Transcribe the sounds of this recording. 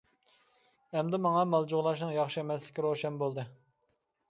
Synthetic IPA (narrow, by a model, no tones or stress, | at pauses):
ɛmd̪ɪmɑŋɑmɑlˠd͡ʒoʁlˠɑʃ̬nɨŋjɑχʃiemɛslɪkʲiɾoʃɛnbolˠd̪ɨ